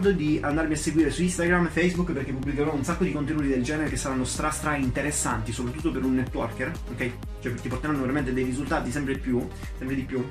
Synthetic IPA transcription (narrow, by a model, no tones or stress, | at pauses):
d̪od̪iʔand̪aɾmiasːeɡwiːɾesuist̪aɡɾamfejzbukːperk̟epːubːlikeɾɔunsakːod̪ikont̪enuːt̪id̪eld͡ʒɛːneɾekesːaɾanːost̪ɾast̪ɾaint̪eɾesːant̪isopɾat̪ːut̪ːopeɾunːɛt̪ːwɔrker | okɛj | t͡ʃoɛt̪iport̪eɾanːoveɾament̪ed̪ejrizult̪aːt̪isɛmpɾeipːju | sɛmpɾed̪ipju